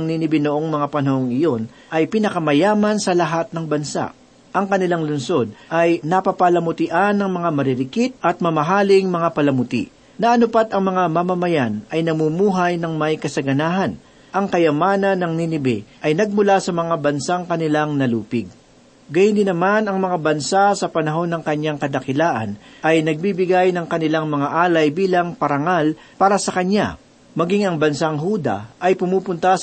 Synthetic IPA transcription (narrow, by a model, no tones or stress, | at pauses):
ɐŋninɪbɪnoʔo̞ŋmɐŋapɐnɐhoŋɪjo̞n | ʔɐjpɪnɐkɐmɐjaːmɐnsɐlɐɦat̪̚nɐŋbɐnsa̰ʔ | ʔɐŋkɐnɪlaŋlʊnso̞d̪̚ʔɐjnɐpɐpɐlɐmʊt̪ɪʔanːɐŋmɐŋamɐɾɪɾɪkɪt̪̚ʔɐt̪̚mɐmɐɦaːlɪŋmɐŋapɐlɐmʊt̪ḭʔ | nɐʔɐnʊpat̪ɐŋmɐŋamamɐmɐjanɐjnɐmumuːɦɐjnɐŋmɐjkɐsɐɡɐnaːɦɐn | ʔɐŋkɐjɐmaːnɐnːɐŋninɪbɛʔɐjnɐɡ̚mʊlasɐmɐŋabɐnsaŋkɐnɪlaŋnɐluːpɪɡ̚ | ɡɐjɪnd̪ɪnɐmanɐŋmɐŋabɐnsasɐpɐnɐɦo̞nːɐŋkɐɲːaŋkɐd̪ɐkɪlaːʔɐ̰nʔɐjnɐɡ̚bibɪɡajnɐŋkɐnɪlaŋmɐŋaʔaːlɐjbiːlɐŋpɐɾɐŋal | paːɾɐsɐkɐɲa̰ | mɐɡiŋɐŋbɐnsaŋɦuːd̪ɐ̰ʔɐjpʊmupʊnt̪ɐs